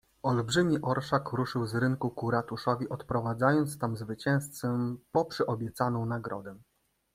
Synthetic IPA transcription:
ɔlbʐɘmʲiʔɔɾʂakɾuʂɘwzɾɘŋkukuɾat̪uʂɔvʲiʔɔt̪pɾɔvad̪zajɔnt̪st̪amzvɘt͡ɕɛ̃w̃st̪sɛmpɔpʂɘʔɔbʲjɛt̪sanɔ̃w̃naɡɾɔ̰d̪ɛ

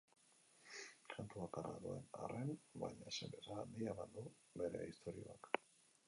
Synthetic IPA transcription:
kant̪uakara̰ðue̞na̰renbajɲasembe̞saːnd̪iamand̪u | βe̞ɾe̞̰ist̪o̞ɾio̞ak

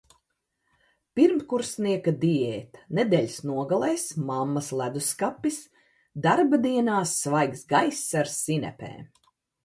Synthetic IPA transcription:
piɾmkuɾsniɛkad̪iɛːt̪ḁnɛd̪ɛːʎʲsnuɔɡalˠɛjsmamːɐslˠæd̪uskapːis | d̪aɾbad̪iɛnaːsːvajksɡajsːaɾsːinʲɛ̰pɛ̰ːm

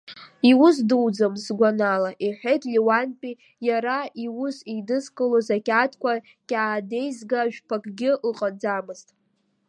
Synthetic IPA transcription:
iwʊsdɨwd͡zamsɡʷanalaʔiħʷᶣejtʼliwanpʼi | jaɾaiwʊsidɨzkʼɨlozakʲʼatʰkʷa | kʲʼaːde̞jzɡaʒᶣpʰakʼɡʲɪlqʼad͡zamɨztʼ

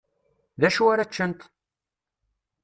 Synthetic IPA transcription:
ðæʃuaɾæt͡ʃːənt̪

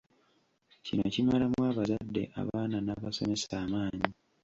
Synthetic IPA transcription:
cino̞̰cimalamwaːβazadːe̞̰ʔa̰βaːnanaːβaso̞̰me̞saːmaːɲi

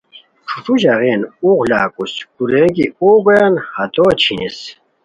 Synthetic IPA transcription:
ʈ͡ʂʰuʈ͡ʂuɕaɣeːnuɣla̰ːkuskuɾẽkḭoːɡɐjanhɐt̪oːt͡ɕʰĩn̰s

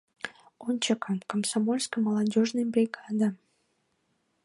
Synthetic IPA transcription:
ont͡ɕəkənkəmsamolʲskəməlɑdʲoʒnəjbrʲiɡɑd̪a

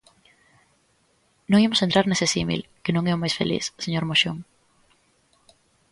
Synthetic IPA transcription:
nõŋimʊsent̪ɾaɾnesesimḭlkenõŋeʊmajsfḛlḭsseɲoɾmoʃoŋ

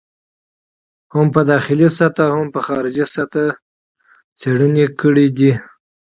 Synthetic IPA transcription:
hampəd̪ɑxɪlisat̪ahampəxɑɾɪd͡ʒisat̪a | t͡seɽənekəɽid̪i

